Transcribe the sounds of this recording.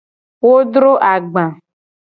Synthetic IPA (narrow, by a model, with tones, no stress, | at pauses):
wo˦ɖɾo˦ʔa˨ɡ͡bã˨